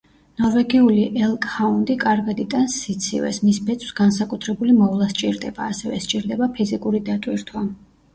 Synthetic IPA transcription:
nɔɾvɛɡiuliʔɛlˠkʼhaund̪ikʼaɾɡad̪it̪ʼansːit̪sʰḭvɛ̰smisbɛt̪sʰʼw̥sɡansakʼut̪ʰɾɛbulimɔvlˠast͡ʃʼiɾd̪ɛbaːsɛvɛ̰st͡ʃʼiɾd̪ɛbapʰizikʼuɾid̪at̪ʼwiɾt̪ʰwa

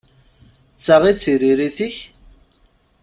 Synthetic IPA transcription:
t͡sːaʁit͡sːiɾiɾiθiç

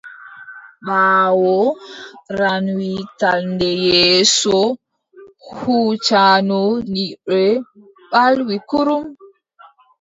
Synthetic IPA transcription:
ɓaːwɔ | ɾanwitalndɛjɛːsɔ | hhuːt͡ʃanɔniɗɛ | ɓalwikuɾum

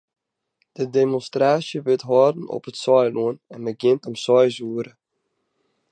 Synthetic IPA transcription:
d̥ədemɔnstraːsjəʋɪtɦɔːdn̩ɔ̰pətsɔjluənɛnəɡɪntɔmsɔjzuəɾə

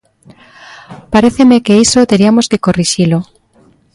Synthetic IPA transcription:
paɾeθemekeisot̪eɾiamoskekoriʃilo

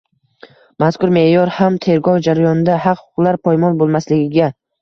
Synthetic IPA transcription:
maskʊɾme̞jɒɾhamt̪ʰe̞ɾɡɒwd͡ʒaɾajɒnɪd̪ahɑqhʊqlˠaɾpʰɒjmɒnbolˠmaslɪɡʲɪɡʲa

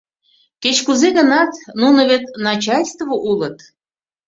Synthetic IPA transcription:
ket͡ɕkuzeɣə̆nɑt̪nunə̆βet̪nɑt͡ɕɑlʲst̪voʔulət̪

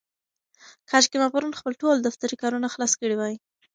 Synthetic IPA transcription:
kʰɑd͡ʒkemapaɾunxpəlʈold̪aft̪aɾikɑɾunaxlɑskəɽiwɑji

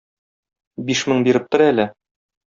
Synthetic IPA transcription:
biʃmɤɴbiɾɘp̚t̪ŏɾælæ

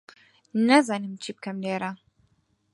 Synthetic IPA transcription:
nɐzɑːnɨmt͡ʃʰiːb̚kɐmleːɾɐ

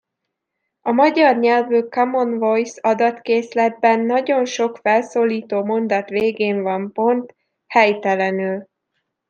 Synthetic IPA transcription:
ɒmɒɟɒrɲɛlvykɒmo̞nvo̞jsɒd̪ɒt̪keːslɛd̪̚bɛnːɒɟo̞nʃo̞kfɛlsoːliːt̪oːmo̞nd̪ɒt̪ʋeːɡeːɱvɒmpo̞nt̪ | hɛjt̪ɛlɛnyl

